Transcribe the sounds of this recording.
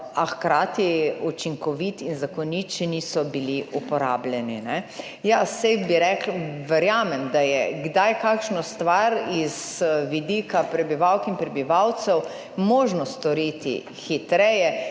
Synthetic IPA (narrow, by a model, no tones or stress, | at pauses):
axkɾaːt̪iut͡ʃiŋkɔʋit̪inzakɔnit̪t͡ʃɛnisɔbiliʔupɔɾa̰ːblʲɛninɛ | jasɛjbiɾɛklʋɛɾjaːmɛmd̪ajɛɡd̪ajkakʃnɔst̪ʋaɾizʋid̪ikapɾɛbiʋawkinpɾɛbiʋawt̪sɛw | moːʒnɔst̪ɔɾiːt̪ḭ | xit̪ɾɛjɛ